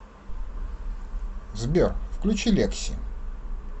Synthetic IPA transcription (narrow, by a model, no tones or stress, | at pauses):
zbʲerfklʲʉt͡ɕilʲeksʲɪ̰